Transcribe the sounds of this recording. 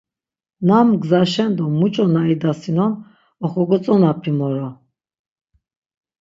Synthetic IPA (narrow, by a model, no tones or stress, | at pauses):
namɡzaʃɛnd̪ɔmut͡ʃʼɔnaid̪asinɔn | ɔχɔɡɔt͡sʼɔnapʰimɔɾɔ